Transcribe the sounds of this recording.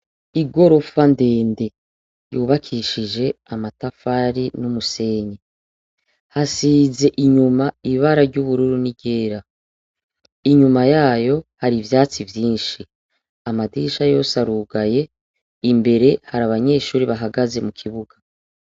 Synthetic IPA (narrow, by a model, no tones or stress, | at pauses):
iɡo̞ɾo̞fande̞ːnde̞ | juːβakʰiʃiʒe̞amatafaɾinumuse̞ːɲe | hasize̞ʔiɲumaiβaɾaɾɟuβuɾuɾuniɟe̞ːɾa | iɲumajaːjo̞haɾivjaːt͡sivjiːnʃi | amadiʃajo̞saɾuːɡaje̞ | imbe̞ɾe̞haɾaβaɲe̞ːʃuːɾiβaɦaɡaze̞mukʰiβuɡa